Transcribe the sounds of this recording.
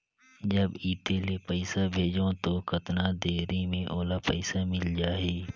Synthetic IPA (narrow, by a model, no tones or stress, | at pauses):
d͡ʒɐbiːt̪elepəɪsabʱeːd͡ʒõt̪okɐt̪nad̪eːɾimẽʔoːlapəɪsamɪld͡ʒaːeː